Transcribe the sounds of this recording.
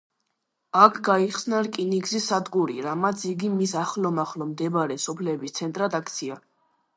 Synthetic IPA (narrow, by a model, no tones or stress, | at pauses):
akʰɡaiχsnaɾkʼinikʼzisad̪ɡuɾḭɾamat̪sʰiɡimisaχlɔmaχlɔmd̪ɛbaɾɛsɔpʰlɛːbist̪sʰɛnt̪ʼɾad̪ak̚ʰt̪sʰia